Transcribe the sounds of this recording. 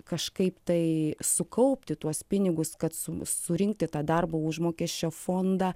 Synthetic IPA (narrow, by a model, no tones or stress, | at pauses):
kɐʃkɐɪpt̪ɐɪsʊkɐʊpʲt̪ʲɪt̪uɔspʲɪnʲɪɡʊskɐt̪sʊsʊɾʲɪŋk̚t̪ʲɪt̪ɑːd̪ɐrbɐːʊʒmoːkʲɛsʲt͡ʃʲoːfoːnd̪ɑː